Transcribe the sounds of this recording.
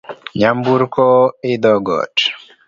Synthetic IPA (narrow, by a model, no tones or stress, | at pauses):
ɲambuɾkɔid̪ɔɡɔ̰ʈ